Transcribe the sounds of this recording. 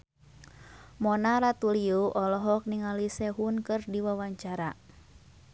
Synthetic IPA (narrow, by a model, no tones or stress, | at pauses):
mɔnaɾat̪uliuʔɔlɔɦɔk̚niŋalisɛɦunkɨrdiwawaɲt͡ʃaɾa